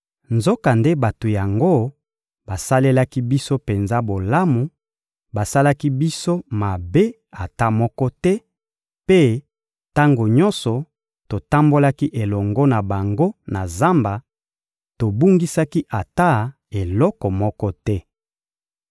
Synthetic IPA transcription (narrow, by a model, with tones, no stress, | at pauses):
nzo˦ka˨nde˦ba˨to˨ja˨ŋɡo˦ | ba˨sa˦le˦la˦ki˦bi˦so˦pe˨nza˦bo˨la˦mu˨ | ba˨sa˦la˦ki˦bi˦so˦ma˨be˦ | a˨ta˦mɔ˦kɔ˦tɛ˦ | pe˦ | ta˦ŋɡo˨ɲɔ˦nsɔ˨ | to˨ta˦mbo˦la˦ki˦ʔe˨lɔ˨ŋɡɔ˦na˨ba˨ŋɡo˦na˨za˦mba˨ | to˨bu˦ŋɡi˦sa˦ki˦ʔa˨ta˦˨ | e˨lɔ˦kɔ˨mɔ˦kɔ˦tɛ˦